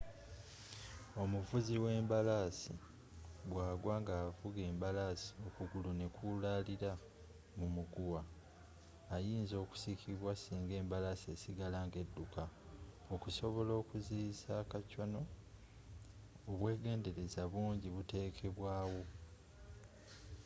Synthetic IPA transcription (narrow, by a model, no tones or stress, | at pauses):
o̞muvuziwe̞ːmbalasi | ɡwaːɡwaŋɡaːvuɡe̞ːmbalasi̥o̞kuɡulune̞kulaliɾa | mumuɡuwaː | jiːnzo̞ːku̥sikʰiβwasiːŋɡe̞ːmbalasie̞ːsiɡalaŋɡe̞dːuka | okuso̞βo̞lo̞ːkuziːsaːkacono̞ | oβwe̞ːɡe̞ːnde̞ɾe̞zaβuːɲɟiβute̞ːkʰe̞βwaːwo̞